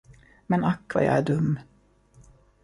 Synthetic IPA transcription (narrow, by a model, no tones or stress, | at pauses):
mɛnakːva̰ja̰æɖɵmː